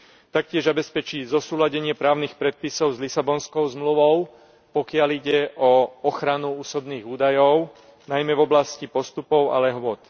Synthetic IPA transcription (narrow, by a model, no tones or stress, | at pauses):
t̪ak̚cɪɛʒzabɛspɛt͡ʃiːzɔsuːlaɟɛɲɪɛpɾaːʊnixpɾɛt̪̚pisɔʊzlisabɔnskɔʊzmluʋɔʊ | pɔkɪaliɟɛʔɔɔxɾanuuːsɔb̪niːɣuːd̪ajɔʊ | najmɛvɔblascipɔst̪upɔʊa̰lɛɦʋɔt̪